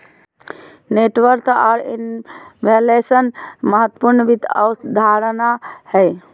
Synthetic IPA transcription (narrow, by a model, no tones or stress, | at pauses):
neʈʋəɾk̪aːɾḭnʋʱelesənməɦət̪ːə̥puɾnəʋid̪əʊd̪ʱaɾnahɛɪ